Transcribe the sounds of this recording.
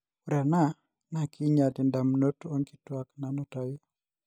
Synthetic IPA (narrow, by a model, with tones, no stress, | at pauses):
uɾɛ˨na˦ | na˦ki˦ɲa˨di˨nda˨mno˦to˦ŋki̥˦twakna˨nɔta˨j